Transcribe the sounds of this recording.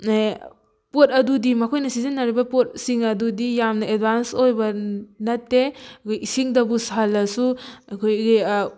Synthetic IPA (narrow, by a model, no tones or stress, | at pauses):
pot̚ɐdudimɐkʰojnɐsizenːaɾibɐpot̚siŋɐdudijamnɐed̚bansojbɐnɐtːeɐkʰojisiŋdɐbusalːɐsuɐkʰojɡi